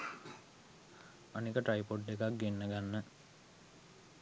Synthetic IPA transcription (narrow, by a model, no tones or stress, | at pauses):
anikəʈɾajpoʈːekak̚ɡenːəɡanːə